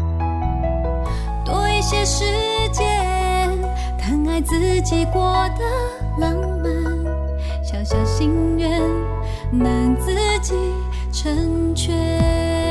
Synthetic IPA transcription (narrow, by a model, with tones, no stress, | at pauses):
t̪ɔ˧i˧˥ɕjɛ˥ʂɻ̩˧˥ | t͡ɕjɛ˥ | n | t̪ʰa˧˥ŋa˥ɪt͡sɹ̩˧t͡ɕi˨˩kwɔ˥˧d̪ə˧˩ | la˧˥ŋ | mə˧n | ɕjɑ˨˩ʊɕjɑ˨˩ʊɕi˥ŋɥɛ˧˥n | na˨˩nt͡sɹ̩˥˧˦t͡ɕi˨˩ | ʈ͡ʂʰə˧˥ŋ | t͡ɕʰɥɛ˥